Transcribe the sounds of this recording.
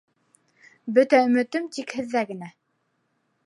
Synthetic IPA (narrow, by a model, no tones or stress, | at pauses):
bɵt̪æɵ̆mɘ̆t̪ɵmt̪ikhɘ̆ðːæɡɘ̆næ